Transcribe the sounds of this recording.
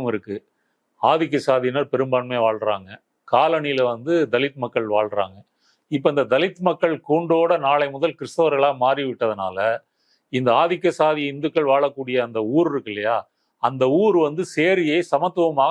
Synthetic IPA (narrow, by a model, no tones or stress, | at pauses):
mɪɾɯkːɯ | aːðɪk̬ːɐsaːðɪnaːɾpɛɾɯmbaːnmeːʋaːɭɾaːŋɡɐ | kaːlɐɳɪjɪlʋɐnd̪ɯd̪ɐlɪt̪ːmɐkːɐɭʋaːɭɾa̰ːŋɡɐ | ɪpːɐːɪnd̪ɐd̪ɐlɪt̪ːɯmɐkːɐɭkuːɳɖoːɽɐnaːɭɐɪmʊðɐlkɪɾɯst̪ɐʋɐɾɣɐɭaːmaːɾiʋɪʈːɐðɯna̰ːlɐ | ɪnd̪ɐaːðɪkːɐsaːðɪjɪnd̪ɯkːɐɭʋaːɭɐkːuːɽɪjɐːnd̪ɐuːɾɪɾɯkːɪlːɐjaː | ɐnd̪ɐuːɾɯʋɐnd̪ɯseːɾɪjeɪsɐmɐt̪ːɯʋɐmaː